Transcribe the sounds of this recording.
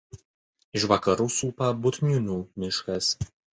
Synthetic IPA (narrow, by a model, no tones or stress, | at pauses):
ɪʃʋɐkɐɾuːsuːpɐbʊt̪ʲnʲʊnʲuːmʲɪʃkɐs